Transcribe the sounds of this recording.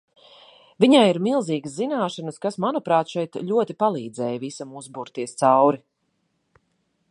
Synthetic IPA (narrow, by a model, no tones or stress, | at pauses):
viɲajiɾmilˠziːɡəszinaːʃanəskasmanupɾaːt̪ʃɛjt̪ʎʲuɔt̪ipalˠiːd̪zɛːjvisamuzbuɾt̪iɛst̪sawɾi